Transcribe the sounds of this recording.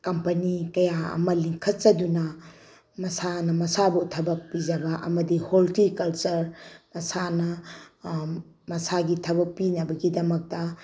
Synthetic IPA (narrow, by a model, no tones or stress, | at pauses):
kɐmpɐnikɐjaɐ̰mɐliŋkʰɐt̚t͡ʃɐdunɐ | mɐsanɐmɐsabutʰɐbɐk̚pid͡ʒɐbɐʔɐ̰mɐdiholtikɐlt͡ʃɐɾmɐsanɐ | mɐsaɡitʰɐbɐk̚pinɐbɐɡidɐmɐk̚tɐ